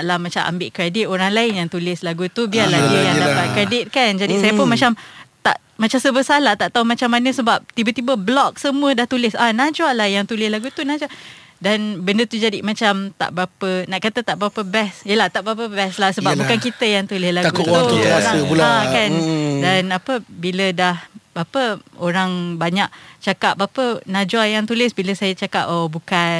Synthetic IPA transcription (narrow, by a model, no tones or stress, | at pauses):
ʔlahmat͡ʃamʔa̰mbɪʔkɾedɪt̪̚oɾaŋlaɪnjaŋt̪ulɪslaɡut̪ubialahdiəjaŋdapat̪̚kɾedɪt̪̚kand͡ʒadisajəpʊnmat͡ʃamt̪a̰ʔ | mat͡ʃamsəbəsahlat̪aʔt̪aumat͡ʃamːanəsəbap̚t̪ibət̪ibəblɔk̚səmũədaht̪ulɪsanad͡ʒwaʔlahjaŋt̪ulɪslaɡut̪unad͡ʒuaʔdanbəndət̪ud͡ʒadimat͡ʃamt̪a̰ʔbəɾapənaʔkat̪ət̪aʔbəɾapəbɛsjəlaht̪aʔbɾapəbɛslahsəbabukankit̪əjaŋt̪ulɪslaɡuuuaabulakandanapəbilədahbapəoɾaŋbaɲak̚t͡ʃakap̚apənad͡ʒwajaŋt̪ulɪsbiləsajət͡ʃaka̰p̚obuka